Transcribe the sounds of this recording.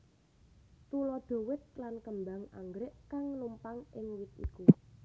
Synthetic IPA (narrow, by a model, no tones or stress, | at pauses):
t̪ulɔɖ̪̥o̤wɪt̪̚lankəmbaŋa̰ŋɡɾɪʔkaŋnumpaŋɪŋwɪt̪̚ḭku